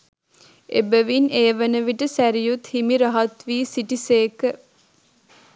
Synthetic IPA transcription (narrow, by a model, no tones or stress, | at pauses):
ebəʋineːʋənəʋiʈəsæɾijut̪himiɾɐɦɐt̪ʋiːsiʈiseːkə